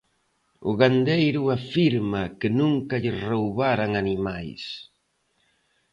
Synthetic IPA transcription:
ʊɣand̪ejɾʊafiɾmakɪnũŋkɐʎɪrowβaɾaŋanimajs

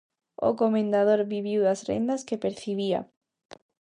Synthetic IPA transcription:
o̰komẽnd̪að̞oɾβiβiwðasrḛnd̪askepeɾθiβia̰

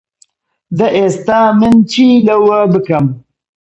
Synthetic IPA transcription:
d̪ɐʔest̪amɨnt͡ʃilɐwɐbɨkɐm

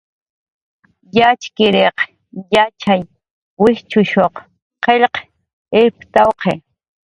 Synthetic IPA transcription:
jat͡ʃkɪɾeq | jat͡ʃaj | wɪht͡ʃʊʃoq | qeʎq | ept̪awqʰe

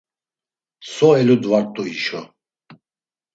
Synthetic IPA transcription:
sɔɛlud̪vaɾt̪ʼuiʃɔ

